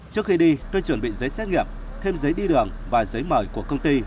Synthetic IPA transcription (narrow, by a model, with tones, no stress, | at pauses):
t͡ɕɨ˦˥ək̚xi˧ɗi˧t̪o˧jt͡ɕwə˨˧˩nɓḭ˧˨zə˨˦jsɛ˦˥t̚ŋi˨˩əp̚ | t̪ʰe˧mzə˨˦jɗi˧ɗɨ˨˩əŋvaː˨˩zə˨˦jməː˧˩jku˧˩əkə˧wŋ͡mt̪i˧